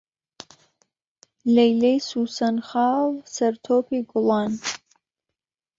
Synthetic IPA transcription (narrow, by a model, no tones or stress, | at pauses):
lɛjlɛjsusɐnχaːlsɐrt̪ʰoːpʰiɡʷʊlan